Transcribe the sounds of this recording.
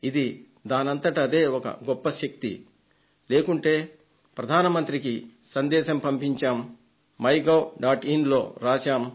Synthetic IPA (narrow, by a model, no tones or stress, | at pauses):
id̪i | d̪aːnɐnt̪ɐʈɐd̪e̞ːɔkɐ̰ɡɔpːɐʃɐk̚t̪ḭ | le̞ːkuɳʈeː | pɾɐd̪ʱaːnɐmɐnt̪ɾikisɐnd̪ɛːʃɐmpɐmpiɲt͡ʃaːmː | ɐjɡɐwɖaːʈinlo̞ːɾaːt͡ʃaːm